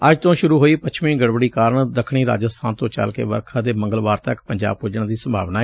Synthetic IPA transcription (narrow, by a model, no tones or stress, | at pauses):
əd͡ʒt̪õːʃʊɾuːɦoːiːpət͡ʃʰʋĩːɡəɽbəɽiːkaːɾəɳd̪əkʰɽ̃iːɾa̰ːd͡ʒəst̪ʰaːnt̪õːt͡ʃə̰lkḛːʋə̰ɾkʰãːd̪eːmə̃ŋɡəlʋaːɾt̪əkpəɲd͡ʒa̰ːb̚pʊd͡ʒəɳ̃d̪iːsəmbʱa̰ːʋnaː